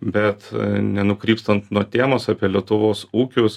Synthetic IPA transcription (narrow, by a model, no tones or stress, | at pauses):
bʲɛt̪nʲɛnʊkɾʲiːpst̪ɐnt̪nuɔt̪ʲeːmoːsɑpʲiɛlʲiɛt̪ʊʋoːsuːkʲʊs